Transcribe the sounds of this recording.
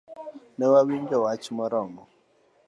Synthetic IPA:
nɛwaβiɲd͡ʒɔwat͡ʃimɔɾɔmɔ

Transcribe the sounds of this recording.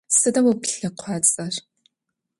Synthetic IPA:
sɨdɐmwupɬɐqʷʰɑːt͡sʼɐr

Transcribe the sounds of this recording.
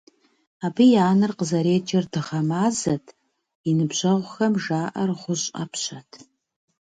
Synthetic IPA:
aːbijaːnɨrqəzɐɾeːd͡ʒʼɐrdɨʁɐmaːzɐtʰ | inɨbʑɐʁʷʊxɐmʒaːʔɐrʁʷʊɕʼɐ̰pʰɕɐtʰ

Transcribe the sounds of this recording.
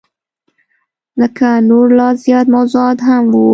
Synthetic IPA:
ləkanoɾlɑzjɑt̪mawzuɑt̪ɦamwu

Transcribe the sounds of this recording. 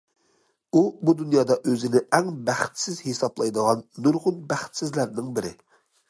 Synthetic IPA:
ubud̪unjɑːd̪ɑʔøzɪnɪɛŋbæχt̪sɪzhesɑblˠɑjd̪əʁɑnːuɾʁʊnbæχt̪sɪzlæɾnɪŋbɪɾɪ

